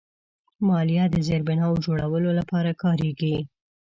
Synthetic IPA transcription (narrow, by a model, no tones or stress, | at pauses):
mɑljɑd̪əzeɾbɪnɑwd͡ʒoɽawəlolapɑɾakɑɾeɡi